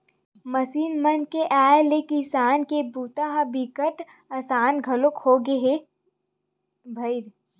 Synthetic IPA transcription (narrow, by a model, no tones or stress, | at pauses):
mɐsiːnmənkeʔaːlekisaːnkebuːt̪aɦabikəʈ | ɐsaːnɡʱɐlʊkhoːɡeɦe | bʱɐɪɾ